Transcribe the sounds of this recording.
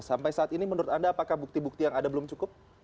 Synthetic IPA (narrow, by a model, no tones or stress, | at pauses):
sampajsaaːt̪inimənuɾʊt̪andaːpakahbuk̚t̪ibuk̚t̪ijaŋadabəlʊmt͡ʃukʊp̚